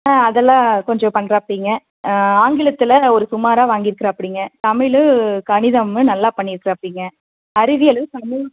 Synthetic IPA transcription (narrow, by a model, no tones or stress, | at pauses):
aɐðɛlːãːkɔɲd͡ʒɔ̃pɐɳːɾaːpːiːŋɡɐ | aːŋɡɪɭɐt̪ːɪlɐɔɾɯsʊmaːɾaːʋaːŋɡɪɾɯkːɪɾɐpːɐɽɪːŋɡɐt̪ɐmɪɭɯkɐɳɪðɐmɯnɐlːaːpɐɳːɪɾɯkːɪɾɐɐpːɐɽiːŋɡɐ | ɐɾɪʋɪjɐlɐʋɯt̪ɐmɪɭ